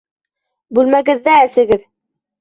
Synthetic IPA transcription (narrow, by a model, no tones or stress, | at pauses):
bʉlmæɡɘ̆ðːæːsɘ̆ɡɘð